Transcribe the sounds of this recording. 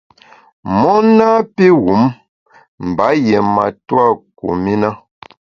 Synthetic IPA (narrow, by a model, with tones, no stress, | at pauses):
mɔ˦na˦pe˦ɣu˨˦m | m̩˨ba˨˦jɛ˨ma˨twa˦˨kṵ˨mi˦na˦